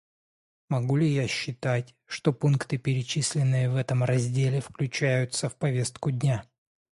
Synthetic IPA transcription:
mɐɡulʲɪjaɕːɪt̪atʲ | ʂt̪o̞punkt̪ɨpʲɪɾʲɪt͡ɕisʲlʲɪnːɨjəvɛt̪əmrɐzʲdʲelʲɪfklʲʉt͡ɕæjʊt̪səfpɐvʲe̞st̪̚kʊdʲnʲa

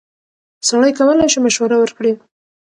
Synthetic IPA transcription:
saɽajkawəlajʃemaʃwaɾawəɾkɽi

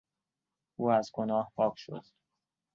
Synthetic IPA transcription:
ʔuːæzɡonɒːhpʰɒːkʰʃo̰d̪̥

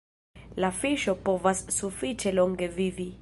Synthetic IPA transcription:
lafiʃɔpɔvassufitʰɛlɔŋɡeviːvi

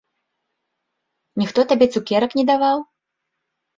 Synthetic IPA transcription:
nʲixt̪ɔt̪abʲɛt̪sukʲɛɾɐknʲɛd̪avaw

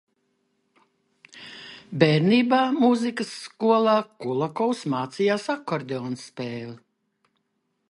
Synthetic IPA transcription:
bɛːɾniːbaːmuzikəsːkuɔlˠaːkulˠakɔwsmaːt̪sijaːsakːɔɾd̪ʲeɔːnsːpɛːli

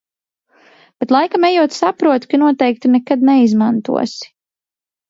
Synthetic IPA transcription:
b̥ɛt̪lˠajkamɛjuɔt̪sapɾuɔt̪kanuɔt̪ɛjk̚t̪inɛkad̪nɛizmant̪ṵɔsi̥

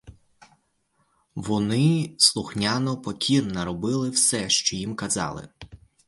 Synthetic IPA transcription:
ʋɔnɪslˠʊxnʲanɔpɔkʲʰinːɐɾɔbɪlˠɪwsɛʃt͡ʃɔjimkɐzɑ̰lˠɪ̰

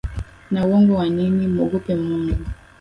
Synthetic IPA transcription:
nawɔŋɡɔwaɲiŋimɔɡɔpɛm̩ɔŋɡɔ

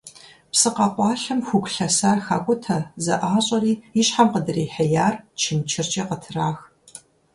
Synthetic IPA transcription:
psɨqɑqʷɑːɬɐmxʷʊkʷɬɐsaːrxaːkʷʼʊtʰɐzɐʔaːɕʼɐriːiɕħamqədɨriːħejaːrt͡ʃʰɪmt͡ʃʰɪrt͡ʃʼiqətʰɨraːx

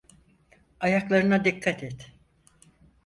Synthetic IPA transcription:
ajaklˠaɾɯnad̪ikʰːat̪ʰɛt̪

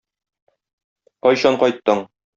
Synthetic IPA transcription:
qɒjɕɒɴqɒjt̪ːɤɴ

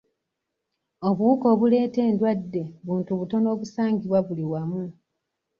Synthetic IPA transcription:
o̞βuuko̞ːβule̞ːte̞ːndwadːe̞βuːntuβuto̞no̞ːβusaːŋɡiβwaβuliwamu

